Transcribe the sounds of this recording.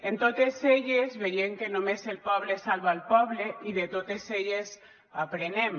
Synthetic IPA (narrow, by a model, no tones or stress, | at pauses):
ent̪ot̪ezeʎezβejemkenomezelpɔβlesalβaːlpɔβleiðet̪ot̪eseʎes | apɾenem